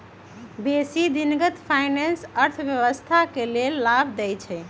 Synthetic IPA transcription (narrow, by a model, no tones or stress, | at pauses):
besid̪inɡət̪pʰajnensəɾt̪ʰbjəʋəst̪ʰakelelːabʱd̪ɛjt͡ʃʰɛ